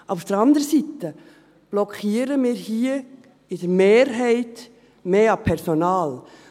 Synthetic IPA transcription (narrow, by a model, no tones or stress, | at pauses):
ʔaʊfd̥əɾɑndəɾəsit̪ə | b̥lɔkʰiːəɾəmɪːɾhiːə | ɪd̥əɾmeːɾɦɛɪt | meːɑpʰɛɾsonɑːl